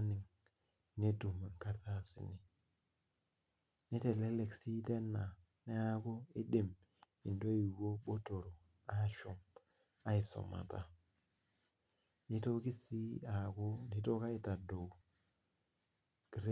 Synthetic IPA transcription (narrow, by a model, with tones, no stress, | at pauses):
ni˨ŋ | ne˦du˨ma˨ŋ˨ka˦ɾta˦˨sḭ˨ni˨ | ni˦te˨le˦le˨ksi˦de˦na˨ | ne˦a˦ɡo˦i˦de˨m | i˨ndo˦i˨wo˦ɓo˦to˨ɾo˨ | a˦˨ʃo˨m | a˦i˨so̰˨ma̰˨ta˦ | ni˦to˦ki˦si˦a˨ɡo˦ni˦to˦ka˦i˦ta˨do˨w | ɡ̥i˨ɾ